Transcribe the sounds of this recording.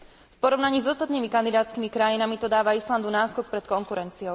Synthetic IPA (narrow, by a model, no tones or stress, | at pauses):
fpɔɾɔʋnaɲiːzɔst̪at̪niːmikand̪id̪aːt͡skiːmikɾajinamit̪ɔd̪aːʋaisland̪unaːskɔk̚pɾɛt̪̚kɔŋkuɾɛnt͡siɔʊ